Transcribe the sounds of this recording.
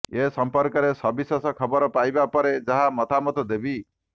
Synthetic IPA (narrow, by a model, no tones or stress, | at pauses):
esɔmpɔɾkɔɾesɔbisasɔkʰɔbɔɾɔpajbapɔɾed͡ʒaɦamɔt̪ʰamɔt̪ɔd̪ebi